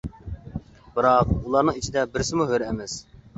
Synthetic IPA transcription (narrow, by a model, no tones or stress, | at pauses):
b̥ɨɾɑqulˠɑɾnɨŋit͡ʃʰid̪ɛbɪɾsɪmuɦøɾɛmɛs